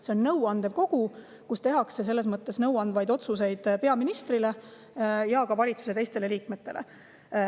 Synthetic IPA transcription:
se̞o̞nːɤwɑnd̪̥ev̥ko̞ɡ̥u | kust̪e̞ɦɑkse̞s̬e̞lːe̞s̬mɤt̪ːˑe̞snɤwɑnd̪vɑjd̪o̞t̪sus̬e̞jd̪̥pe̞ɑminist̪rile̞ | jɑkɑvɑlʲit̪su̥se̞t̪e̞jst̪e̞le̞liːkme̞t̪ːˑe̞̰lḛ

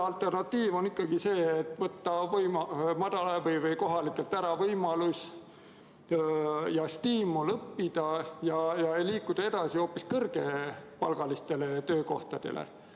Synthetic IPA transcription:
ɑlt̪ːˑe̞rnɑt̪ːiːvo̞nikːˑɑɡ̥ise̞ːet̪ːˑvɤt̪ːɑvɤjmɑmɑd̪̥ɑlɑvɤjvɯjko̞ɦɑlikːˑelt̪ːæɾɑvɤjmɑlusʲ | jɑst̪iːmulɤpːid̪̥ɑjɑjɑejliːkːˑud̪̥ɑe̞d̪ɑsio̞pːˑiskɤrɡ̥e̞pɑ̰lɡ̥ɑlist̪e̞le̞t̪ø̞ːko̞ht̪ɑd̪̥e̞̰lḛ

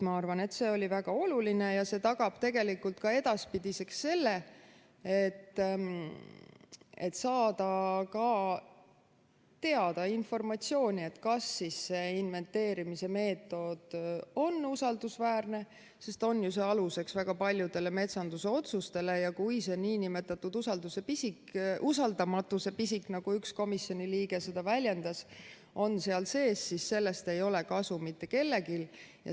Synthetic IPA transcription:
mɑɑrvɑne̞t̪ːse̞ːo̞lʲivæɡ̥ɑo̞luline̞jɑse̞t̪ɑɡ̥ɑb̥t̪e̞ɡ̥e̞likːult̪kɑe̞d̪̥ɑspid̪̥ise̞ksːe̞lːe̞ | et̪ː | et̪sɑːd̪̥ɑkɑ | t̪e̞ɑd̪̥ɑinfo̞rmɑt̪sio̞ːnʲiet̪ːkɑsːisːe̞ːinve̞nt̪ːe̞ːɾimise̞me̞ːt̪ːˑo̞d̪̥o̞nusɑld̪usvæːrne̞ | se̞st̪o̞nːjuseɑluse̞ksvæɡ̥ɑpɑlʲjud̪̥e̞leme̞t̪sɑnd̪̥use̞o̞t̪sust̪e̞lejɑkujseniːnime̞t̪ːˑɑt̪ːud̪usɑld̪use̞pisikʔusɑld̪ɑmɑt̪ːˑuse̞pisiknɑɡ̥uyksko̞misjo̞nʲiliːɡe̞se̞d̪ɑvælʲje̞nd̪̥ɑs | o̞nse̞ɑlse̞ːsːisse̞lːe̞st̪e̞jo̞le̞kɑsumit̪ːe̞ke̞lːe̞kiljɑ̰

